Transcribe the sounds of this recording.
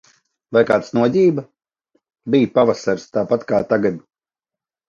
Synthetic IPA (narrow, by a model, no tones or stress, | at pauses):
vajkaːt̪snuɔzʲiːba | bijpavasaɾst̪aːpat̪kaːt̪aɡad̪